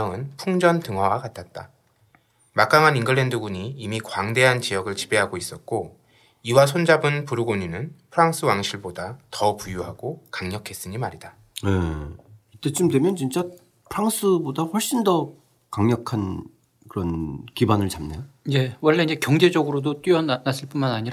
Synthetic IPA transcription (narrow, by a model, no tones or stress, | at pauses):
ŋɯnpʰuŋd͡ʑʌntɯŋwawakatʰat̚t͈a | mak͈aŋaninɡɯɭːendɯɡuɲiːmikwaŋde̞ɦant͡ɕijʌɡɯɭt͡ɕibe̞ɦaɡois͈ʌt̚k͈o | iwasʰond͡ʑabɯnpuɾɯɡoɲunɯnpʰɯɾaŋs͈ʰɯwaŋɕʰiɭbodatʌpujuɦaɡokaŋɲʌkʰe̞s͈ɯɲimaɾida | e | it͈ːet͡ɕɯmdwe̞mjʌnt͡ɕint͡ɕ͈a | pʰɯɾaŋsʰɯbodaɸʌɭɕ͈indʌ | kaŋɲʌkʰan | kɯɾʌnkibanɯɭt͡ɕamnejoje̞wʌɭːe̞inɲd͡ʑe̞kjʌŋd͡ʑe̞d͡ʑʌɡɯɾodot͈wɥiʌnnas͈ɯɭp͈unmanaɲiɾa